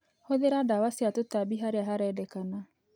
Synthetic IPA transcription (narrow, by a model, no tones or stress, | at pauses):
hoðeɾadawaseatotabiɦaɾeaɦaɾɛdɛkana